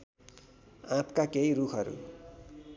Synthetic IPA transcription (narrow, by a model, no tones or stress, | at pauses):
ãt̪kakeiɾukʰʌɾṵ